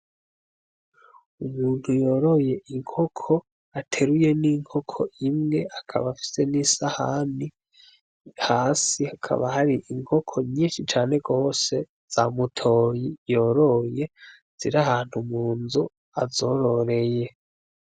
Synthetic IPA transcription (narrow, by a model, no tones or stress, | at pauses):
umuːn̥hujo̞ɾo̞je̞ʔiŋhokʰo̞ | atʰe̞ɾuje̞niŋ̥ho̞kʰoimŋe̞akʰa̰βafi̥se̞nisahani | haːsihakʰa̰βahaɾiʔiŋho̞kʰo̞ɲɲiːnʃit͡ʃaːne̞ɡo̞ːse̞ | z̥amutʰoːjijo̞ːɾo̞je̞ | z̥iɾahaːn̥humuːnzu | azo̞ɾo̞ɾe̞je̞